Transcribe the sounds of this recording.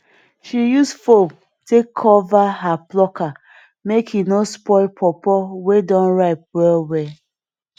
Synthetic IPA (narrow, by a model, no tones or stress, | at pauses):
ʃijusfom | tʰekʰːɔvaɦaplɔka | mekhinospɔɪlpʰɔpɔwedɔ̃nɹaɪp̚wɛlwɛ